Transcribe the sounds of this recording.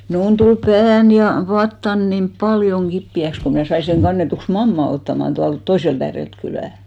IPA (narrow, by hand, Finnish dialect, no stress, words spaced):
mnuːn tul pæːn jɑ ʋɑtːɑn nim b̥ɑljoŋ ɡ̊ipːiæks ko mnæˑ sɑi seŋ ɡ̊ɑnːetuks mɑmːɑ otːɑmɑn tuɑlt toiselt æːrelt kylæˑ